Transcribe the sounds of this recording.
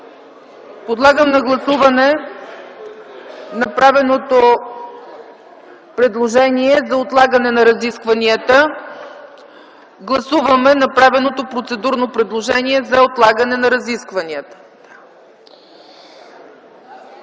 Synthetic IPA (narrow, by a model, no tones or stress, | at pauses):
pod̪lˠaɡəmnɐɡlˠɐsuvɐnɛ | nɐpɾavɛnot̪o | pɾɛd̪lˠoʒɛniɛzɐot̪lˠaɡənɛnɐɾɐziskvɐniət̪ə | ɡlˠɐsuvɐmɛnɐpɾavɛnot̪opɾot̪sɛd̪uɾnopɾɛd̪lˠoʒɛniɛzɐot̪lˠaɡənɛnɐɾɐziskvɐniət̪ə̥